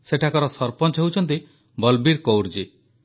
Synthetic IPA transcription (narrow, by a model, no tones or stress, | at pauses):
seʈʰakɔɾɔsɔɾpɔnt͡ʃɔɦewt͡ʃʰɔnt̪i | bɔlbiɾkowɾd͡ʒi